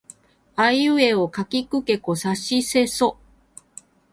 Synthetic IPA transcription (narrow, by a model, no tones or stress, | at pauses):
ajɯ̟e̞okakʲikɯ̟ke̞ko̞saɕise̞so